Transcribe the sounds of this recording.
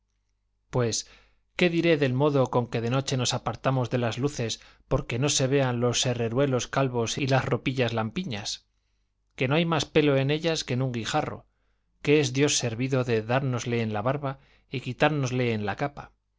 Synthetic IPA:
pwe̞s | ke̞ðiɾe̞ðe̞lmo̞ðo̞ko̞ŋke̞ðe̞no̞t͡ʃe̞no̞sapaɾt̪amo̞zðe̞lazluθe̞s | po̞ɾke̞no̞se̞βe̞anlo̞se̞re̞ɾwe̞lo̞skalβo̞silasro̞piʎazlampiɲas | ke̞no̞ajmaspe̞lo̞e̞ne̞ʎaske̞nuŋɡixaro̞̰ | ke̞ezðjo̞sːe̞ɾβiðo̞ðe̞ðaɾno̞zle̞ːnlaβaɾβa | ikit̪aɾno̞zle̞ːnlakapa

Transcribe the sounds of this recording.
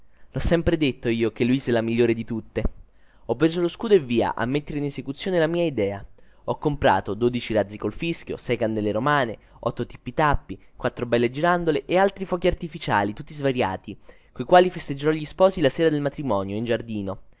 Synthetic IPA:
lɔsːɛmpɾed̪et̪ːoiːok̟eluisɛlamiʎːoːɾed̪it̪ut̪ːe | ɔpːɾesoloskuːd̪oevːiːa̰ʔa̰mːet̪ːeɾeinesekut̪sːjoːnelamiːaid̪ɛːa | ɔkːompɾa̰ːt̪od̪oːd̪it͡ʃiɾad̪zːikolfiskjo̰sɛjkand̪ɛlːeɾomaːne | ɔt̪ːot̪i̥pːit̪apːikwat̪ːɾobɛlːed͡ʒiɾand̪oleʔealt̪ɾifɔːkiart̪ifit͡ʃa̰ːlit̪ut̪ːizvaɾja̰ːt̪i | koikwaːlifest̪ed͡ʒːeɾɔʎːispɔːsilaseːɾad̪elmat̪ɾimɔːnjoind͡ʒard̪iːno

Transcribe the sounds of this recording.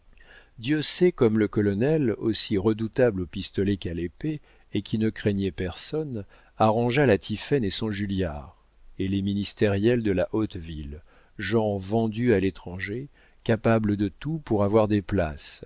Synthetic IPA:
d̪jøsɛkɔmləkɔlɔnɛlosiʁəd̪ut̪ablopist̪ɔlɛkalepeː | kʲʰinəkχɛɲɛpɛʁsɔn | aʁɑ̃ʒalat̪ʰifɛnesɔ̃ʒylja̰ʁ | eleminist̪ɛʁjɛld̪əlaʔot̪vil | ʒɑ̃vɑ̃d̪yalet̪χɑ̃ʒe | kapabləd̪ət̪upuʁavwaʁd̪epla̰s

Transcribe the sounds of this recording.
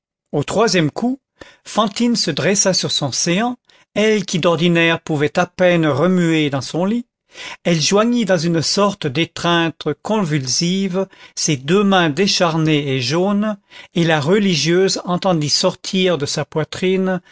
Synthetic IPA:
ot̪χwazjɛmkʰu | fɑ̃t̪insəd̪ʁɛsasyʁsɔ̃seɑ̃ | ɛlkʲid̪ɔʁd̪inɛʁpuvɛt̪apɛnʁəmyed̪ɑ̃sɔ̃li | ɛlʒwaɲid̪ɑ̃zynsɔʁt̪əd̪et̪χɛ̃t̪kɔ̃vylsivsed̪ømɛ̃d̪eʃaʁneeʒonelaʁəliʒjøzɑ̃t̪ɑ̃d̪isɔʁt̪ʰiʁd̪əsapwat̪χin

